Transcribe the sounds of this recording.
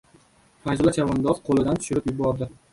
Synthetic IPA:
fajzlat͡ʃʰavɒnd̪ɒzqʰolˠɪd̪ant̪ʰʊ̥ʃʊɾɪpjʊbɒɾd̪ɪ

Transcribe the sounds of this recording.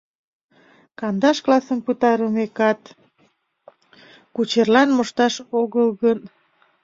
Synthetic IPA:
kɑnd̪ɑʃklɑsə̆mpɨt̪ɑɾumekɑt̪ | kut͡ɕerlɑnmoʃt̪ɑʃoɣəlɣən

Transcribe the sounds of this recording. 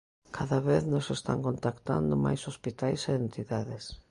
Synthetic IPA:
kʰaðaβeθnosest̪a̰ŋkont̪akt̪a̰nd̪ʊma̰jsospit̪ajseent̪iðaðɪs

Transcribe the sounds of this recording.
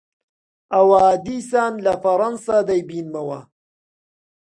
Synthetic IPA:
ʔɐwaad̪iːsaːnlɐfɐɾˤɐnsad̪ɐjbiːnmɐwɐ

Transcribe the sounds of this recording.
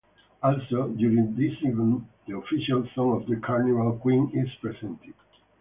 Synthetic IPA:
ɔlsodjuɹĩŋd̪isivə̃nd̪əɔfiʃalsɔ̃ŋɔvd̪əkʰaɹnivalkwĩnizpɹɛzɛ̃nt̪ɪd̥

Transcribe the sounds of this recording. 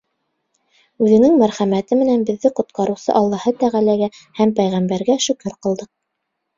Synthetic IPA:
ʉðɘ̆nɘŋmæɾχæmæt̪ɘmɘ̆nænbɘ̆ðːɘqŏt̪̚qɑɾɤ̆wsɤ̰ʔɑlˠːɑhɤt̪æʁælæɡæhæmpæjʁæmbæɾɡæʃɵkɵɾqɤ̆lˠd̪ɤq̚

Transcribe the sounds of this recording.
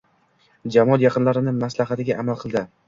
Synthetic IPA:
d͡ʒamɒɒt̪jɑqɨnlaɾɪnɪmaslaɦat̪ɪɡʲaʔamalˠqʰɨlˠd̪ɪ

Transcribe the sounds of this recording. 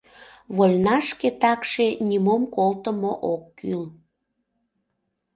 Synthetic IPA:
βolʲnɑʃket̪ɑkʃenʲimomkolt̪əmoʔokːyl

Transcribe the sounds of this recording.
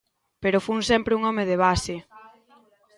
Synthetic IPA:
peɾofunsɛmpɾɪuŋɔmeðeβasɪ

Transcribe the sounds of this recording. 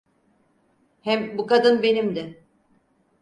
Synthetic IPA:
hɛmbukad̪ɯnbe̞nimd̪ɛ

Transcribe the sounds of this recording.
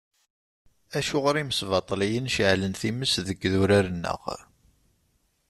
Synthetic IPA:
æʃʊʁɾiməsvɑt̪ˤlijənʃʕlənθiməsðəɡːðʊɾaɾənːə̰ʁ

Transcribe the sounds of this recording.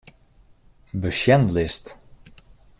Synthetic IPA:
bəʃɛnlɪst

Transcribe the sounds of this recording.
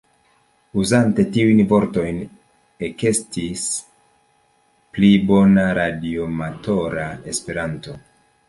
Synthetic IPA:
uzante̞tiujnvo̞ɾto̞jn | eke̞stis | plibo̞naɾadio̞mato̞ɾae̞spe̞ɾanto̞

